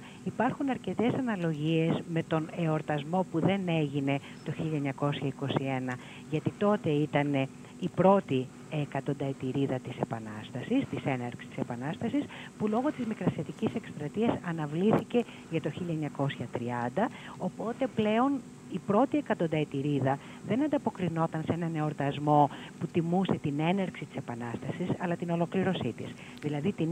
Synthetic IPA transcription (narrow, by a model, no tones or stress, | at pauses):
ipɐɾxunɐɾce̞t̪e̞sɐnɐlo̞ʝie̞zme̞t̪o̞ne̞o̞ɾt̪ɐzmo̞puðe̞ne̞ʝine̞ | t̪o̞çiʎɐeɲɐko̞sçɐiko̞sie̞nɐ | ʝɐt̪it̪o̞t̪e̞it̪ɐne̞ | ipɾo̞t̪i | ekɐt̪o̞nd̪ɐet̪iɾiðɐt̪ise̞pɐnɐst̪ɐsist̪ise̞nɐɾksi̥t̪i̥se̞pɐnɐst̪ɐsis | pulo̞ɣo̞t̪izmikɾɐset̪icise̞kst̪ɾɐt̪iɐsɐnɐvliθice̞ | ʝɐt̪o̞çiʎɐeɲɐko̞sçɐt̪ɾiɐnd̪ɐ | o̞po̞t̪e̞ple̞o̞n | ipɾo̞t̪ie̞kɐt̪o̞nd̪ɐet̪iɾiðɐ | ðe̞nɐnd̪ɐpo̞kɾino̞t̪ɐnse̞nɐne̞o̞ɾt̪ɐzmo̞put̪imuse̞t̪ine̞nɐɾksit̪i̥se̞pɐnɐst̪ɐsisɐlɐt̪ino̞lo̞kliɾo̞sit̪ḭs | ðilɐðit̪in